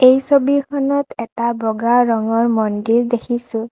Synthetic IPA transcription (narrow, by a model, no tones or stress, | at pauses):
ejsobikʰɔnɔtɛtabɔɡaɹɔŋɔɹmɔndiɹdekʰisʊ̃